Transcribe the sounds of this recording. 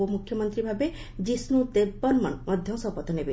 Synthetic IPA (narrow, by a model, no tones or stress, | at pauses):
omukʰjɔmɔnt̪ɾibʱabe | d͡ʒisnut̪ebɔnmɔ̰nmɔd̪ʱjɔsɔpɔt̪ːɔnebe